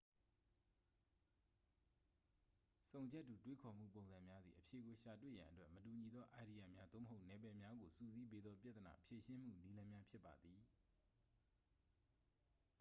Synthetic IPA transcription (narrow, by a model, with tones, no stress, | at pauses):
sõ˨ʊ̃ɲd͡ʑɛ˦ʔtːu˨twe˦kʰɔ˨m̥ṵ˦˨p̬õ˨ʊ̃nzã˨mja˦d̪ðḭ˨ʔəpʰje˨ɡo˨ʃa˨t̬wḛ˦˨jã̰˨ʔətwɛ˦ʔmətu˨ɲi˨d̪ɔ˦ʔa˨ɾi˨ja˨mja˦d̪o̰˦˨məɦo˦ʊʔnɛ˨bɛ˨mja˦ɡo˨su˦˨zi˦be˦d̪ðɔ˦pja˦t̪əna̰˨pʰje˨ʃɪ̃˦m̥ṵ˦˨ni˦lã˦mja˦pʰjɪ˦pːa̰˨d̪ði˨